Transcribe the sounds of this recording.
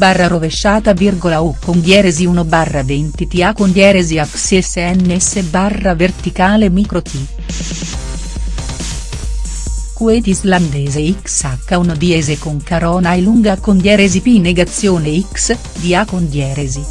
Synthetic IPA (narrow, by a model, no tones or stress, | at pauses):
barːaɾoveʃːaːt̪avirɡolaukːond̪jɛːɾeziunobarːavɛnt̪it̪iakond̪jɛːɾeziakseseɛnːesːebarːavert̪ikaːlemikɾot̪i | kuɛt̪iizland̪ɛːzeiksakːaunod̪iɛzekoŋkaɾɔːnajluŋɡakond̪jɛɾezipineɡat̪sːjoːneiks | d̪iakond̪jɛːɾezi